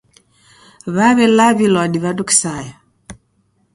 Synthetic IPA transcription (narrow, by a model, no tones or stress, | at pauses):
βaβɛlaβilɔdiβaduki̥sajɔ